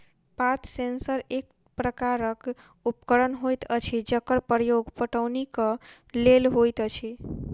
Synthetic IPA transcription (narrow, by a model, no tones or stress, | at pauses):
pat̪ʰsensəɾek̚ | pɾəkaɾək | upkəɽənɦojt̪ət͡ʃʰid͡ʒəkəɾpəɾjoɡpəʈəwnikə | lelɦojt̪ət͡ʃʰi